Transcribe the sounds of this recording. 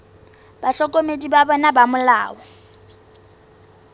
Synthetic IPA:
b̥aɬɔkʼomedibabɔnabamʊlaːɔ

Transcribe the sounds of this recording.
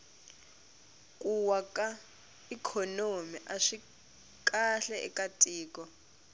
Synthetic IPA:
kʼuwakʼa | ikʰɔnomiʔaʂi | kʼaɬɛʔɛ̰katʼiːkʼɔ

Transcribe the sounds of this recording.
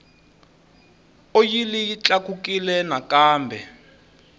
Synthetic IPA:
ojilijit͡ɬakukilɛnakaːmbʱɛ

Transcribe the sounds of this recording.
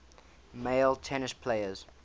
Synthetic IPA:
meɪlˠtʰɛnɪspʰleɪəz̥

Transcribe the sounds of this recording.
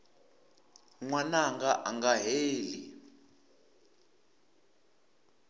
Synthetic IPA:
ŋwanaŋɡaʔaŋɡaɦeːli

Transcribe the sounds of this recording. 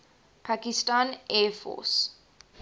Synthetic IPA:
pʰakistãːnɛfɔ̰s

